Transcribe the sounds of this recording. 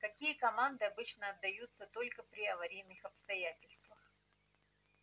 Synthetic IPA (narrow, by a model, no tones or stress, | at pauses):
kɐkʲijəkɐmand̪ɨɐbɨt͡ɕnəɐd̪ːɐjut̪sət̪o̞lʲkəpɾʲɪɐvɐɾʲijnːɨxɐpst̪ɐjatʲɪlʲst̪vəx